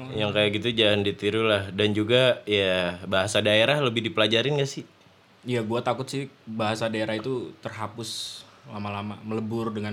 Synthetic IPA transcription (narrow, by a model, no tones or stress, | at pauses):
jaŋkajaʔɡit̪ud͡ʒalandit̪iɾulahdand͡ʒuɡajabaɦasadaeɾahləbɪhdipəlad͡ʒaɾɪnŋɡasɪh | jaɡuat̪akʊt̪̚sɪhbaɦasadaeɾaɦit̪ut̪ərɦapʊs | lamalamamələbʊrdəŋa